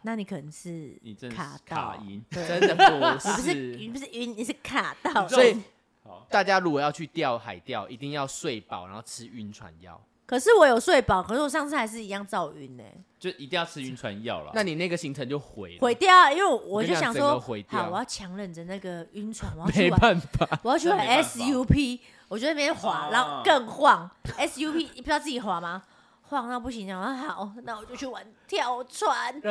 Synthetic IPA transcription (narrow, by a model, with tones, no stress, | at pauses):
na˥˩ni˨˩kʰə˨˩nə˧˦ŋʂɻ̩˥˩ni˨˩ə˦nk̪ʰa̰˨˩t̪aa̰˥˩ḭ˧nə˥˦ə˨ʂ̩˥˩bu˨˩ʂɻ̩˥˧pu˧˩ʂ̩˥˩y˧˥nni˨ʂ̩˥˩kʰa˨˩t̪ɑ˥˩˨ʊsɔ˥i˨ | t̪a˥˩t͡ɕja˦ɻu˧˥kwɔ˨˩jɑ˥˧ʊt͡ɕʰy˥˧t̪jɑ˥˨ʊxa˨˩ɪt̪jɑ˥˨ʊʔi˨˦t̪i˥˧ŋjɑ˥˧ʊswe˥˨ɪpɑ̰˨˩ʊɻa̰˨˦nxo˥˩ʈ͡ʂʰɻ̩˦y˧˥nt͡sʰwa̰˧˦njɑ̰˥˩ʊ | kʰɤ˨˩ʂɻ̩˥˩˨wɔ˧˦jo˨˩ʊswe˥˩ɪpɑ˨˩ʊkʰə˨˩ʂɻ̩˥˩wɔ˨˩ɑ˥˧ŋt͡s̩ʰ˥˩a˧˥ɪʂɻ̩˥˩i˧˦jɑ˥˧ŋt͡sɑ˥˨˩ʊy˦nḛ˨˩t͡ɕjo˥˧˨i˧˦t̪i˥˧jɑ˥˧ʊt͡s̩ʰ˥˧y˧nt͡sʰwa̰˧˦njɑ̰˥˨ʊlə̰˨na˥˨ni˨na˥˧ɡə˩ɕi˧˦ŋt͡sʰə˧˦ŋt͡ɕjo˥˨ʊxwḛ˨˦ɪxwe˧˦ɪt̪jɑ˥˩ʊ˨i˦nwe˥˩wɔ˨wɔ˨t͡ɕjo˥˩ʊɕjɑ˨ŋswɔ˦xwe˨˦ɪt̪hwɔ˨jɑ˥˩ʊt͡ɕʰjɑ˧˥ŋlə˨˩ŋd͡zə˩na˥˩ɡə˩y˧˥nt͡sʰwa˧˥nwje˨˥˦waa˥˨nfa˨˩˨wɔ˨jʰy˥˨wa˨˦nɛ˦sju˥˦pʰi˦˥ | wwɔ˨˩t͡ɕo˥˧n˥˩˧xwa˨˩˦na˨˧˦ɔ˥˦kə˥˧ŋxwɑ˥˨ŋɛ˦sju˦˥pʰi˥˧˩pi˨˩t͡ɕɑ˥˧ʊt͡s̩ɨ˥˩t͡ɕi˨˩xwa˨˩ma˨ | xwɑ˥˧ŋna˥˧pu˥˩ɕi˧˦na˨˩˥xa˨˦ʊna˥˩wɔ˨˩t͡ɕjo˥˧ʊt͡ɕʰy˥˩wa˧˦nt̪ʰjɑ˥˩ʊt͡sʰwa˧˦n